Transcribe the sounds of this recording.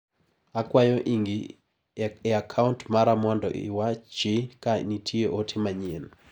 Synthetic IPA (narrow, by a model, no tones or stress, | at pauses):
akwajɔʔiŋɡi | eakʰauntmaɾamwɔndɔ̰ʔiɪ̰wat͡ʃɪkanitʰieʔotʰɪmaɲen